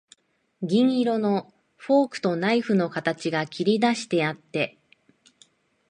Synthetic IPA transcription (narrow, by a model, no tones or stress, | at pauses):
ɡʲĩŋiɾo̞no̞ | ɸo̞ːkɯ̟̥t̪o̞naiɸɯ̟no̞kat̪at͡ɕiɡakʲiɾʲid̪aɕi̥t̪e̞at̪ːe̞